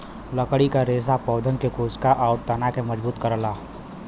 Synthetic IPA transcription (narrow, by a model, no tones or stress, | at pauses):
ləkɽikaɾeːs̬apɔːd̪ənkekoːskaʔɔːʊɾt̪ɐnakemɐd͡ʒbuːt̪kəɾlaː